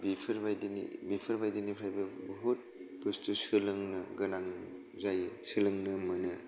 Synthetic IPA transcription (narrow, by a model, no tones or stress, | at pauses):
bipʰɐɾbajdinḭbipʰɐɾbajdinipʰɾajbɐbɔɦut̚pɯstusɯlɯŋnɐɡɐnaŋ | zajsɯlɯŋnɯmɐnɯ